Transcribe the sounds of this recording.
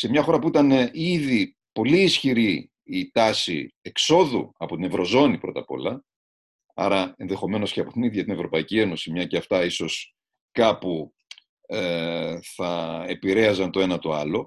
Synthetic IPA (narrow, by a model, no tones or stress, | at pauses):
se̞mɲɐxo̞ɾɐpuit̪ɐneʔiði | po̞liːsçiɾiː | t̪ɐsḭe̞kso̞ðṵɐpo̞t̪ine̞vɾo̞zo̞nipɾo̞̰t̪ɐpo̞̰lɐ | ɐ̰ɾɐenðe̞xo̞me̞no̞sceɐpo̞t̪iniðʝɐt̪ine̞vɾo̞pɐicie̞no̞simɲɐceɐft̪ɐiso̞s | kɐpu | eθɐepiɾe̞ɐzɐnt̪o̞e̞nɐt̪o̞ɐlo̞